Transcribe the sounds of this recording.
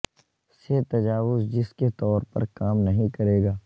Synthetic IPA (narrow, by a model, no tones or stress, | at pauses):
seːt̪ɐd͡ʒaːʋʊzd͡ʒɪsket̪ɔːɾpɐ̰ɾkaːmnɐɦĩkɐɾeːɡaː